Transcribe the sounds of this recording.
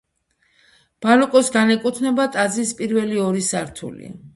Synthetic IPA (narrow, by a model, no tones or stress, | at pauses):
b̥alɔkʼɔsɡanɛkʼut̪ʰnɛbat̪ʼazispʼiɾvɛliɔɾisaɾt̪ʰṵlḭa̰